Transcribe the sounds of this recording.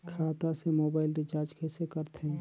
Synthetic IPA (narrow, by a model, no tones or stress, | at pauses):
kʰaːt̪asemoːbaːɪlɖɪt͡ʃaːɾd͡ʒkʰesekəɾt̪ɦɛ̃